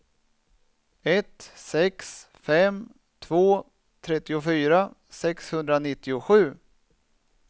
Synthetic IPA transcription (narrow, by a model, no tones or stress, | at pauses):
ɛt̪sɛks | fɛm | t̪ʰvoː | t̪ʰɾɛt̪ːɪʊfyːɾasɛkshɵnd̪ɾanɪt̪ːɪʊɧʉ̟ː